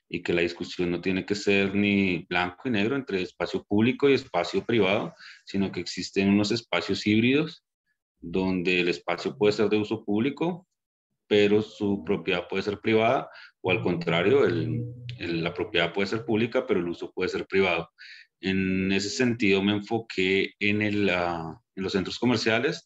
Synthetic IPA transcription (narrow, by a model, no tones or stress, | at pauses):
ike̞lað̞iskusjo̞nːo̞t̪jene̞ke̞se̞ɾniblaŋkoine̞ɣɾoe̞nt̪ɾe̞ːspasjo̞puβliko̞ie̞spasjo̞pɾiβað̞osino̞ke̞ːksist̪e̞nuno̞se̞spasjo̞siβɾiðo̞s | d̪o̞nd̪e̞ːle̞spasjo̞pwe̞ðe̞se̞ɾd̪euso̞puβliko̞ | pe̞ɾo̞supɾo̞pjeðaðpwe̞ðese̞ɾpɾiβaðaoalko̞nt̪ɾaɾjo̞eleːapɾo̞pjeðapwe̞ðe̞seɾpuβlikape̞ɾoeluso̞p̚we̞ðese̞ɾpɾiβ̞að̞o̞ | ene̞s̬e̞se̞nt̪iðo̞meːɱfo̞kʰe̞ːnelaenlose̞nt̪ɾo̞sko̞me̞ɾsjale̞s